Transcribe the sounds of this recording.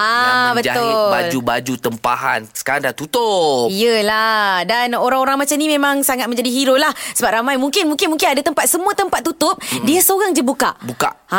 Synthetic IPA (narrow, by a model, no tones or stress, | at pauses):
abətaʊad͡ʒubad͡ʒut̪əmpa̰ɦa̰nsə̥kaɾaŋdaht̪ut̪ʊiəladanoɾaŋoɾaŋmat͡ʃamnimẽmãŋsaŋat̪̚mə̃ɲd͡ʒadiɦiɾolahsəbap̚ɾamajmuŋkɪnmũŋkɪnmũŋkɪnadat̪əmpat̪̚səmuət̪əmpat̪ːut̪ʊp̚diasəoɾaŋd͡ʒəbuka̰ʔbuka̰ʔ